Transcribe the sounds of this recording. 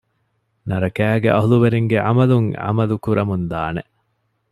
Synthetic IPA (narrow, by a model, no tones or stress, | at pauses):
nɐɾɐkæːɡeʔɐɦuluʋeɾeŋɡeʕɐ̰mɐluŋɐ̰mɐlukuɾʔɐmund̪aːne